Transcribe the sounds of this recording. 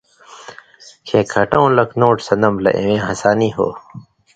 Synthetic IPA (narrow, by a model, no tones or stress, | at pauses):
kʰẽːkʰɐʈõwlɐknoːʈsɐnɐmlɐ̰ʔḛ̃wẽːɦɐsaːniːɦo̰ː